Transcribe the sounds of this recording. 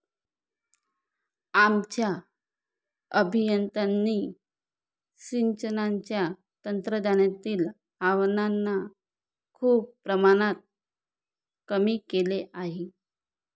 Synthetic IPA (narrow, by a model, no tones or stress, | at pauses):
amt͡ɕja | əbʱijənt̪anːiː | ɕiɲt͡ɕənaɲt͡ɕja | t̪ənt̪ɾəd̪anjat̪iːl | aʋnanːa | kʰuːppːɾəmaɽ̃at̪̚ | kəmiːkeleʔaɦe